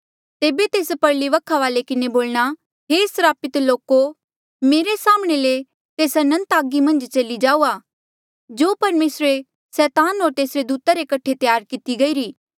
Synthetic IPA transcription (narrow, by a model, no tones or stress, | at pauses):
t̪eːbet̪eːspɐɾliʋɐkʰːaʋaːlekɪneboːlɽ̃a | ɦeːsɾaːpɪt̪loːko | meːɾesaːmɽ̃ele | t̪eːsɐnə̃nt̪aːɡimɐ̃nd͡ʒt͡ʃɐlid͡ʒaːuːa | d͡ʒoːpɐɾmeːsɾe | sɛːt̪aːnɦoːɾt̪eːsɾed̪uːt̪aɾekɐʈʰet̪jaːɾkɪt̪iɡɐiːɾiː